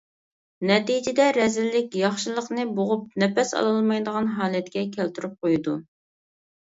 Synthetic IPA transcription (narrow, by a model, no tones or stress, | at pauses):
nɛt̪id͡ʒɪd̪ɛɾɛzɪlːɪkʲjɑχʃɨlˠəqnɨboʁʊp̚nɛpɛsɑ̰lˠɨlˠmɑjd̪əʁɑnɦɑːlˠɛt̪̚kʲɛkʲʰælt̪yɾyp̚qojd̪u